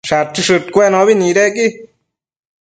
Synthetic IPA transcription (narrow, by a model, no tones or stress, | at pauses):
ʂat͡ʃiʂɨt̪kʷenoβiniɾeki